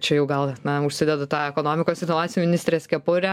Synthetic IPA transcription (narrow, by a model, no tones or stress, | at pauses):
t͡ʃʲɛjɛʊɡɐlˠnɐʊʃʲsʲɪd̪ʲɛd̪ʊt̪ɑːɛkoːnoːmʲɪkoːsɪɾnoʋɑːt͡ssʲumʲɪnʲɪst̪ɾʲeːskʲɛpʊɾʲɛ